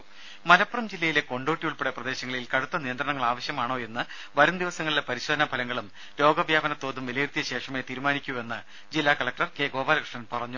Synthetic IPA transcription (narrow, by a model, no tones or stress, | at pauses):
mɐlɐpːrɐmd͡ʑilːɐjile̞ko̞ɳɖo̞ːʈːijuɭpeɽeprɐd̪e̞ːɕɐŋːɐɭilkɐɽut̪ːɐnijɐnd̪ɾɐɳɐŋːɐɭaːʋɐɕjɐmaːɳo̞ːe̞nːɨ | ʋɐɾɐmd̪iʋɐsɐŋːɐɭilepɐɾiɕoːd̪ʰʱɐnɐpʰɐlɐŋːɐɭum | lo̞ːɡɐʋjaːbɐnɐt̪ːo̞ːðumʋilɐjirt̪ijɐɕe̞ːʂɐme̞ːt̪iːɾumaːnikʲːue̞nːɨ | d͡ʑilːaːkɐɭɐk̚ʈɐrkeːɡo̞ːbaːlkrɨʂɳɐnpɐrɐɲːu